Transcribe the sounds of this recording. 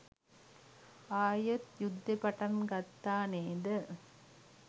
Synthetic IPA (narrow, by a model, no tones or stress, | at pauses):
aːjɐt̪jʊd̪ːɐpɐʈɐnɡɐt̪ːaːneːd̪ɯ